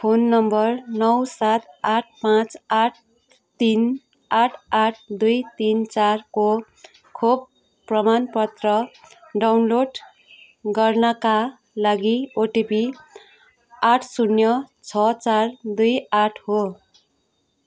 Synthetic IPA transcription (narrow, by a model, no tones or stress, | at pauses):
pʰonːʌmbʌrnʌwsat̪aʈ̚ʰpãt͡saʈ̚ʰ | t̪in | aʈʰaʈʰd̪ujt̪int͡sarko | kʰob̚ | prʌmanpʌt̪rʌ | ɖawnloɖ | ɡʌrnʌka | laɡioʈipi | aʈʰsunjʌt͡sʰʌt͡sard̪ujaʈʰho